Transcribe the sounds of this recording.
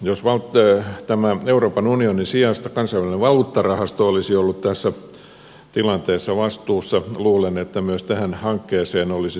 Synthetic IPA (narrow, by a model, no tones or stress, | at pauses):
josʋɑlt̪t̪æmæeuroːpɑnunionisiɑst̪ɑkɑnsɑiʋælineʋɑluːt̪ːɑrɑhɑst̪oolisiolːut̪t̪æsːæ | t̪ilɑnt̪eːsːɑʋɑst̪uːsːɑluːlenet̪ːæmyøst̪æhænhɑŋkːeːseːnolisi